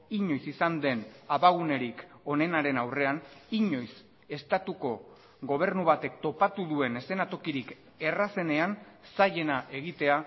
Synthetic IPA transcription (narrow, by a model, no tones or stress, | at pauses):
iɲo̞jsisand̪e̞naβaɣ̞une̞ɾiko̞ne̞naɾe̞nawre̞aniɲo̞js | e̞st̪at̪uko̞ | ɡo̞β̞e̞ɾnuβ̞at̪e̞k̚t̪o̞pat̪uðue̞ne̞se̞nat̪o̞kiɾik | e̞rase̞ne̞ansaje̞naʔe̞ɣ̞it̪e̞a